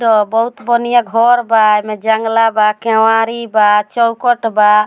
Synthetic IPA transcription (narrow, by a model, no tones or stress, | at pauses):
ɖɔbɔut̪bɔnijaɡʱɔɾbajmɛd͡ʒaŋɡlabakɛwaɾibat͡ʃɔwkɔʈba